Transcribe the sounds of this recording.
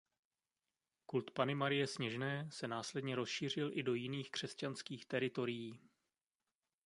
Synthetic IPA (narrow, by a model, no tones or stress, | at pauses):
kult̪panɪmaɾɪjɛsɲɛʒnɛːsɛnaːslɛdɲɛɾo̞sʃiːr̝ɪlʔɪdo̞jɪniːxkr̝̥ɛscanskiːxt̪ɛɾɪt̪o̞ɾɪjiː